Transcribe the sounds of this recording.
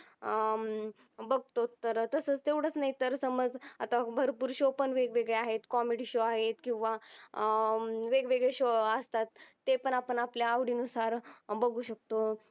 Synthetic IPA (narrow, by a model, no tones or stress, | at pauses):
bəɡt̪ot̪ːəɾt̪əsət͡st̪eʋɽ̤ət͡snaɦit̪əɾsəməd͡za̰t̪abʱəɾpuːɾɕopəɳʋeɡʋeɡɭeaɦet̪kɔmeɽiɕoaɦet̪kĩw̃ʋa | ʋeɡʋeɡɭeɕoəst̪at̪ː | epəɳapəɳapljaːʋɽiːnusaɾbəɡuːɕək̚t̪o